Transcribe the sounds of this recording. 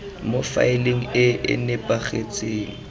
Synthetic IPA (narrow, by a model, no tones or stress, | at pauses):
mofa̰ɪleŋ̩ɪɪ̰nɪpʼaχet͡sʼeːŋ̩